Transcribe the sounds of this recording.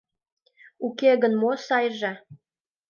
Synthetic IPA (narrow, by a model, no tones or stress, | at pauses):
ukeɣənmosɑjʒe